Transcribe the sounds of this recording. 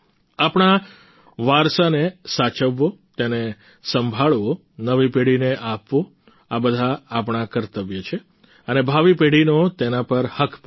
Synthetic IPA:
apɳ̃a | ʋaɾsanesat͡ʃəʋːot̪ene | səmbʱaɭʋo | nəʋipeɽineʔapʋo | abəd̪ʱaːpɳ̃ãkəɾt̪əʋjət͡ʃʰe | ənebʱaʋipeɽinot̪enapəɾhəkʰp

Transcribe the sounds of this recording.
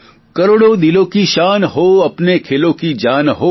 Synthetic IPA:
kɐɾoːɽod̪ilõkiʃaːnɦoːɐpnekʰeːlõkid͡ʒaːnɦoː

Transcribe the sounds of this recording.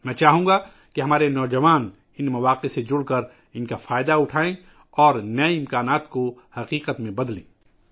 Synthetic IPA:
mɛ̃ːt͡ʃaːɦũːɡa | keɦɐmaːɾenɔːd͡ʒɐʋaːn | ɪnmɐʋaːqesed͡ʒʊɽkɐɾ | ɪnkafaːjd̪aʊʈʰaːẽ | ɔːɾnɐeɪ̃mkaːnaːt̪kohɐqiːqət̪mẽbɐd̪lḛ̃ː

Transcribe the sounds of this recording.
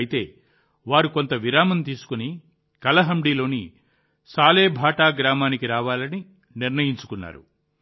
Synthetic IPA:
jit̪e̞ː | ʋaːɾuko̞nt̪ɐʋiɾaːmɐnt̪iːsu̥kuni | kɐlɐɦɐmɖiːlo̞ːni | saːle̞ːbʱaːʈaːɡɾaːmaːnikiɾaːʋaːlɐni | niɾnɐjiɲt͡ʃu̥kunːa̰ːɾṵ

